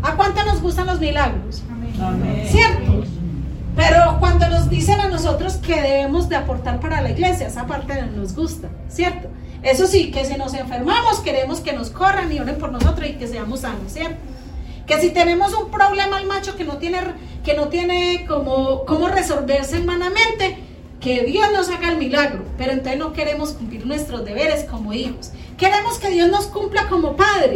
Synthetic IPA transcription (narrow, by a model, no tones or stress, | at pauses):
akwant̪ono̞zɣust̪anlo̞zmilaɣɾos | sjeɾt̪o | pe̞ɾokwand̪o̞no̞zd̪isenano̞so̞t̪ɾo̞ske̞ðe̞βe̞mo̞zd̪eapo̞ɾt̪aɾpaɾalaiɣle̞sjaesapaɾt̪eno̞zɡust̪a | sje̞ɾt̪o | e̞so̞sike̞s̬ino̞se̞ɱfe̞ɾmamo̞ske̞ɾe̞mo̞ske̞no̞sko̞ranio̞ɾe̞mpo̞ɾnoso̞t̪ɾosike̞seamo̞sːanosje̞ɾt̪o | ke̞sit̪e̞ne̞mo̞s̬umpɾo̞βle̞maelmat͡ʃo̞ke̞not̪jene | keno̞t̪je̞ne̞komoko̞mo̞re̞so̞lbe̞ɾselmanamẽ̞nt̪e̞ | ke̞ðjo̞zno̞saɣaelmilaɣɾope̞ɾoent̪osno̞ke̞ɾemo̞skumpliɾnwe̞st̪ɾozd̪e̞βe̞ɾe̞sko̞moixos | ke̞ɾe̞mo̞ske̞ðjo̞zno̞skumplako̞mo̞paðɾe